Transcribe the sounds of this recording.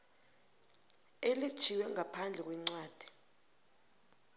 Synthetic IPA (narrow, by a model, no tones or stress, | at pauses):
elid̥ʒ̥ʰʱiwɛŋapʰand͡ɮʱɛk̬wɛŋ͡ǀwaːd̥ʱi̥